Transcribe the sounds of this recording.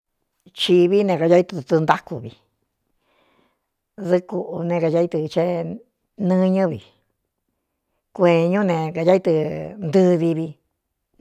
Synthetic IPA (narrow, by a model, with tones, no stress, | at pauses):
t͡ʃi˧βi˦nẽ˧ka˧a˦i˧t̪ɨ˧t̪u˧t̪u˧nd̪a˦ku˧βḭ˧ | ðɨ˧ku˧ʔu˧nẽ˧ka˧ja˧˦i˧t̪ɨ˧t͡ʃe˦ | nɨ̃˦˧ɲɨ̃˦βḭ˨ | kʷe˧˨ɲũ˦nẽ˧ka˧ja˦i˦t̪ɨ˧nd̪ɨ˦ði˧βi˧